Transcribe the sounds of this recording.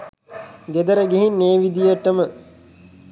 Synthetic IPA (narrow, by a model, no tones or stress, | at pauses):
ɡed̪əɾəɡeɦinːeːʋid̪ijəʈːəmə